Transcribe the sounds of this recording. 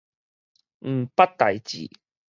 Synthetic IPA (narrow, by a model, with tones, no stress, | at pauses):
m̩˨˩pɐ˥t̚t̪ːɐ˨jt͡ɕḭ˨˩